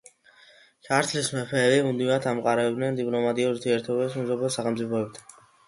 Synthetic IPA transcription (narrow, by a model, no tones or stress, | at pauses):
kʰaɾt̪ʰlismɛpʰɛːlimud̪iɾat̪ʰamqʼaɾɛbd̪nɛnd̪ipʼlɔmat̪ʼiuɾt̪ʰiɛɾt̪ʰɔbɛsmɛzɔbɛsaχɛmt̪sʼipʰɔɛp̚t̪ʰḁ